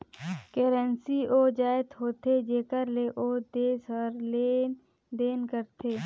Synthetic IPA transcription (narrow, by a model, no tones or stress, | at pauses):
keːɾənsioːd͡ʒaːɪt̪ɦoːt̪ed͡ʒeːkəɾleʔoːd̪eːsɔɾle | d̪eːnkəɾt̪ʰeː